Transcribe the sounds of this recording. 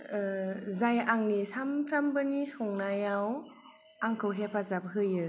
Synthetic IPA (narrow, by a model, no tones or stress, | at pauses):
zajaŋnisampʰɾambɯnisɔŋnajaw | aŋkʰɯwɦepʰazap̚ɦɯjɯ